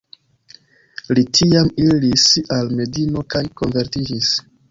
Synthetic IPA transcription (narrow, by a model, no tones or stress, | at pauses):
litʰiamilisalme̞dino̞kajko̞nve̞ɾtid͡ʒis